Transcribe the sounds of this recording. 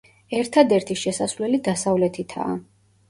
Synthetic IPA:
ɛɾt̪ʰad̪ɛɾt̪ʰiʃɛsasvlɛlid̪asavlɛt̪ʰit̪ʰa̰ː

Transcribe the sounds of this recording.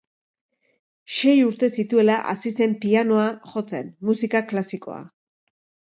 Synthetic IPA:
ʃe̞juɾt̪e̞sit̪ue̞laʔasise̞mpiano̞aʝo̞t͡se̞nmusikaklasiko̞̰a̰

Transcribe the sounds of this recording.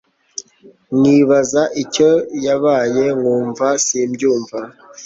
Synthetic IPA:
ŋiβazaʔico̞jaβaːje̞ŋuːɱvasiːmɟuːɱva

